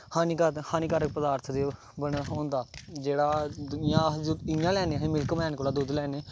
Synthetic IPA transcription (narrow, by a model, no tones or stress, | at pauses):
haːniːkːhaːniːkaɾək̚pəd̪aːɾt̪ʰd̪eː | bənɦõːnd̪aːd͡ʒeːɽaːd̪nɪjãːd͡ʒɪjãːlɛːneːɦẽːmɪlkəmɛːnkoːlaːd̪ʊd̪lɛːneː